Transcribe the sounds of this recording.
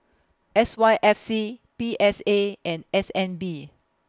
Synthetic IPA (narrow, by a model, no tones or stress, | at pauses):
ʔɛswaɪʔɛfsipiʔɛseɛ̃nɛsɛ̃nbi